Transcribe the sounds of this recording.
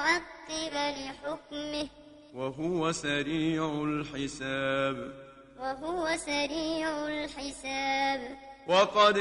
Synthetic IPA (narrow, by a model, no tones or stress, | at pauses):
ʕɑt̪ːɪbalɪħʊkmɪh | waɦʊwasaɾiːʕʊlħɪsaːb | waɦʊwasaɾiːʕʊlħɪsaːbwɑqɑd̪